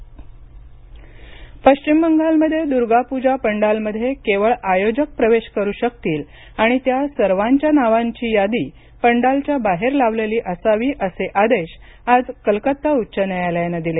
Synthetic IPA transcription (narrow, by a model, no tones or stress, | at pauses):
pəɕt͡ɕimːəŋɡalməd̪ʱːjed̪uɾɡapud͡ʑapəɳɖalməd̪ʱːjekeʋəɭajod͡ʑək̚pɾəʋeɕkəɾuːɕək̚t̪iːl | aɽ̃it̪jasəɾʋaɲt͡ɕjanaʋaɲt͡ɕiːjad̪iː | pəɳɖalt͡ɕjabaɦeɾlaʋleliːʔəsaʋiːʔəseʔad̪eɕad͡zkəlkət̪ːautːɕənəjaljanad̪ile